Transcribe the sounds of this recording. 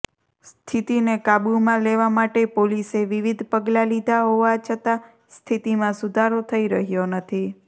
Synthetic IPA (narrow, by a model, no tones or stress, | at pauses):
st̪ʰit̪inekabumãleʋamaʈepoliseʋiʋid̪ʱpəɡlalid̪ʱaɦoʋat͡ʃʰət̪a | st̪ʰit̪imãsud̪ʱaɾot̪ʰəiɾəɦjonət̪ʰi